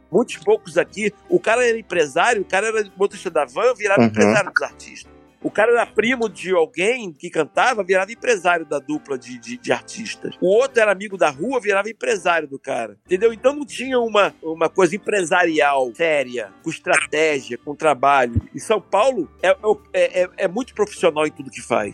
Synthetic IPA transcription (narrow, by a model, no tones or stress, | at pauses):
mũj̃t̪ʊ̥spowkʊzakiʊkaɾɐɛɾɐẽpɾezaɾjʊːkaɾɐɛɾɐot̪iʃt̪ɐd̪avɐ̃viɾavɐẽpɾezaɾjʊd̪ʊzaɾt͡ʃiʃt̪ɐs | ʊkaɾɐɛɾɐpɾĩmʊd͡ʒɪawɡẽj̃kɪkɐ̃nt̪avɐviɾavɐẽpɾezaɾjʊd̪ɐd̪uplɐd͡ʒɪd͡ʒɪd͡ʒɪa̰ɾt͡ʃiʃt̪ɐ̰sʊot̪ɾʊɛɾɐamiɡʊd̪ɐɦuɐviɾavɐẽpɾezaɾjʊd̪ʊka̰ɾɐẽt̪ẽnd̪ew̃ẽnt̪ɐ̃w̃nɐ̃w̃t͡ʃĩɲɐũmɐũmɐkojzɐẽpɾezaɾiawsɛɾiɐkõɪʃt̪ɾat̪ɛʒiɐkõt̪ɾabaʎʊɪsɐ̃w̃pawlʊɛɛʊɛʔɛɛmũj̃t̪ʊ̥pɾofi̥sionawẽj̃t̪ud̪ʊkɪfa̰js